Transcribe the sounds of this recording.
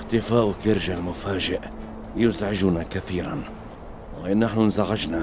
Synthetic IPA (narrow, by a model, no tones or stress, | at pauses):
xt̪ɪfaːʔkɪɾʒalmʊfaːd͡ʒɪʔ | jʊzʕɪd͡ʒʊnakaθiːɾan | wʔnːaħnʊnzaɣad͡ʒna